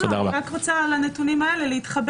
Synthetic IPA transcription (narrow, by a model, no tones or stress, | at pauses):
t̪odaʁɐbaakʁot͡salanetunimae̞leleit̪χab